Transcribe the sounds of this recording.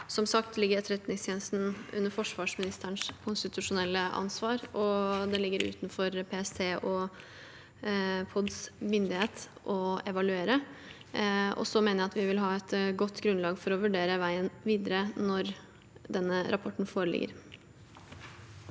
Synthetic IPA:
sɔmsɑkt̪lɪɡːəɾɛt̪ɾɛt̪nɪŋst̪ʰjeːnəst̪n̩ʉ̰nːəɾfɔʂʋɑːʂmɪnɪst̪əəɳʂkʰʊnst̪ɪt̪ʉʂʊnɛlːəʔɑ̰nsʋɑːɾɔd̪ɛlɪɡːəɾʉ̰ːt̪nfɔɾpʰeːɛst̪ʰeːʔɔ | pʰɔd̪smʏnd̪ɪheːt̪ʔɔɛʋɑlʉeːɾə | ɔ̰sɔmeːnəjæɑt̪ʋɪʋɪlɦɑːɛt̪ɡɔt̪ːɡɾʉnlɑːɡfɔɾɔʋʉɖeːɾəʋæɪənʋiːd̪əɾənɔɾ | d̪ɛnːəɾʔɑpʰɔʈːn̩foːɾəlɪ̰ɡːə̰ɾ

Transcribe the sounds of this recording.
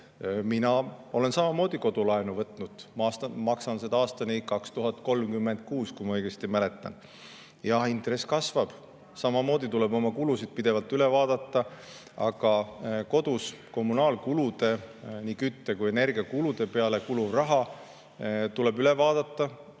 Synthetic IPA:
minɑo̞le̞nsɑmɑmo̞ːd̪̥iko̞d̪̥ulɑenuvɤt̪ːˑnud̪̥mɑːst̪ɑmɑksɑnsed̪̥ɑɑːst̪ɑnikɑkst̪uɦɑt̪̚ˑko̞lmkymːe̞nd̪̥̚kuːskujmɑɤjɡ̥e̞st̪imæle̞t̪ˑːɑ̰n | jɑhint̪re̞sːkɑsvɑb̥ | sɑmɑmo̞ːd̪̥it̪ule̞bo̞mɑkulusid̪̥̚pid̪̥e̞vɑlt̪ːˑyle̞vɑːd̪̥ɑt̪ːɑ | ɑɡ̥ɑko̞d̪̥usko̞mːunɑːlkulud̪e̞niːkyt̪ːe̞kuje̞ne̞rɡ̥iɑkulud̪̥e̞pe̞ɑle̞kuluvrɑɦɑ | t̪ule̞byle̞vɑːd̪̥ɑt̪ːɑ

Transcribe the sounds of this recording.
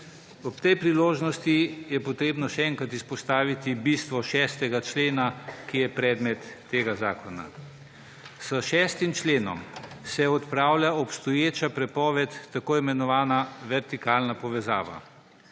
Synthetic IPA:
ɔpt̪ɛjpɾiloːʒnɔst̪ijɛpɔt̪ɾeːbnɔʃɛɛŋkat̪ispɔst̪aːʋit̪ibist̪ʋɔʃɛːst̪ɛɡat͡ʃleːnakijɛpɾɛːd̪mɛt̪ːeːɡazaːkɔna̰ | səʃɛːst̪imt͡ʃleːnɔ̰msɛɔt̪pɾaːwlʲjaɔpst̪ɔjeːt͡ʃapɾɛpɔːʋɛt̪ːakoːimɛnɔʋaːnaʋɛɾt̪ikaːlnapɔʋɛza̰ːʋa̰

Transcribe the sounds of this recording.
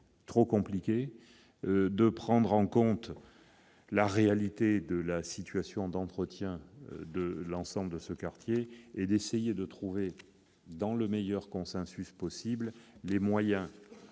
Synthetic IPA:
t̪χokɔ̃plikʲe | d̪əpχɑ̃d̪ʁɑ̃kɔ̃t̪ | laʁealit̪ed̪əlasit̪ɥasjɔ̃d̪ɑ̃t̪χət̪jɛ̰̃d̪əlɑ̃sɑ̃bləd̪əsəkaʁt̪jeed̪esejed̪ət̪χuve | d̪ɑ̃ləmejœʁkɔ̃sɛ̃syspɔsibllemwajɛ̃

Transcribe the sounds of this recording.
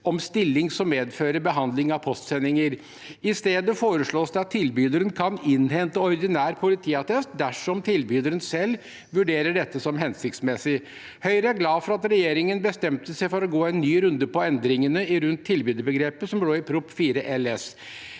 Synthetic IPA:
ɔmst̪ɪlːɪŋsɔmːeːd̪føːɾəbəɦɑnd̪lɪŋɑʋpʰɔst̪sɛnːɪŋəɾ | ɪst̪eːd̪əfoːɾəʂɭoːsd̪ɛɑt̪ʰːɪlbyːd̪əɾənkʰɑnɪnhɛnt̪əɔɾd̪ɪnæːɾpʰʊlɪt̪ʰiːɑt̪ʰɛst̪d̪æʂɔmt̪ʰɪlbyːd̪əɾənsɛl | ʋʉɖeːɾəɖɛt̪ːəsɔmɦɛnsɪkt̪smɛsɪ | hœʏɾəæɾɡlɑːfɔɾɑt̪ɾɛjeːɾɪŋənbəst̪ɛmt̪əsɛɪfɔɾɔɡoːɛnːyːɾʉnd̪əpɔɛnd̪ɾɪŋənəɪɾʉnt̪ʰːɪlbyːd̪əbəɡɾeːpəsɔmloːɪpʰɾʊpfiːɾəʔɛlɛs

